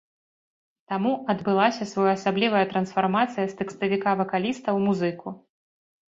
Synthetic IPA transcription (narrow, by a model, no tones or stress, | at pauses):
t̪amuʔɐd̪bɨlˠasʲɐsvɔjɐsablʲivɐjɐt̪ɾɐnsfarmat̪sɨjɐst̪ɛkst̪ɐvʲikavɐkalʲist̪ɐwmuzɨkʰu